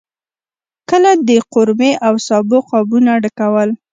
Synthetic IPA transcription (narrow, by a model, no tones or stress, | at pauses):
kəlad̪əqʊɾmeʔawsɑbʊqɑbunaɽəkawəl